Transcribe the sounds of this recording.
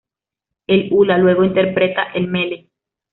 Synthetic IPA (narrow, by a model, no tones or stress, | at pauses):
elulalwe̞ɣo̞int̪eɾpɾet̪aʔelmele